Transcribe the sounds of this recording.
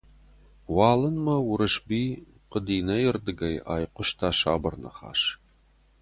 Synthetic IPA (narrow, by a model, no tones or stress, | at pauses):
wɑːlɨnmɐwʊɾɨʃbiː | qəd̪iːnɐjɪrd̪ɨɡɐja̰ːjqʷʊʃt̪ʰaːʃaːbɐrnɐ̰χɑ̰ːʃ